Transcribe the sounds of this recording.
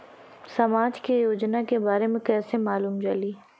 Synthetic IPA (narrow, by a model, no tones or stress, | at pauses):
sɐmaːd͡ʒkejoːd͡ʒnakebaːɾemẽkɛːsemaːluːmd͡ʒɐliː